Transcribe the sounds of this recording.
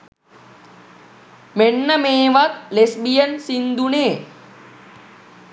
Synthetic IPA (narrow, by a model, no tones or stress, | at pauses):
meɳːɐmeːʋɐklesbijensind̪uneː